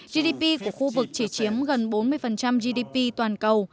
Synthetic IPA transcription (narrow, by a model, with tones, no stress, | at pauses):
zi˧ɗi˧pi˧ku˧˩əxu˧vɨ˨˩k̚t͡ɕi˧˩t͡ɕi˨˦əmɣə˨˩nɓo˨˦nmɨ˧əjfə˨˩nt͡ɕa˧mzi˧ɗi˧pi˧t̪waː˨˩nkə˨˩w